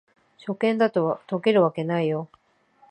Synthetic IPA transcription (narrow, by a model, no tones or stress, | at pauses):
ɕo̞kẽ̞nd̪at̪o̞βat̪o̞ke̞ɾɯ̟βake̞naijo̞